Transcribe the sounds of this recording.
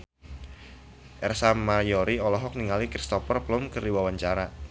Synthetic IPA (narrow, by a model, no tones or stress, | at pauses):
ʔɛrsamajɔɾiɔlɔɦɔk̚niŋalikɾist̪ɔfərplʊmkɨrdiwawaɲt͡ʃaɾa